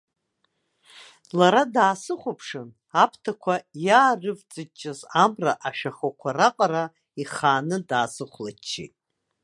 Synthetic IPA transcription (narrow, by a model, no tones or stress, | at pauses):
laɾadaːsɨχʷapʰʂɨn | apʰtʰakʷʰajaːrɨvt͡sʼɨt͡ʃʼːazamraʔaʃᶣaχakʷʰaraqʼara | iχaːnɨdaːsɨχʷlat͡ʃʰːḭtʼ